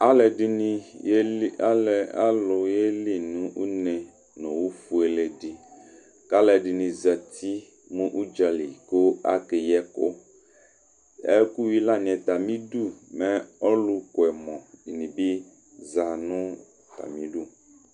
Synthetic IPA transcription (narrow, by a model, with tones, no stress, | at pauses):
a˦lɛ˨di˨nĩ˦ | a˦lɛ˨a̰˦lo˨je˦li˦nũ˦ʔu˦nɛ˨ | nɔ̃˨wu˦fu˨ɛ˨le˨di˨ | ka˦lɛ˨ɖi˨nĩ˨za˨t̪i˦ | mũ˦ʔu˦d͡ʒa˨li˨ko˦a̰˦ke˨jɛ˦ko̰˦ | ɛ̰˦ku˦wi˦la˦ɲ˨ɛ̃˨t̪a˨mĩ˦du˦˨mɛ˨ɔ˦lu˦ko˨ɛ˨mɔ̃˨i˨nĩ˨bi˦ | za˨nũ˦ | t̪a̰˨mĩ˨˦du˦˨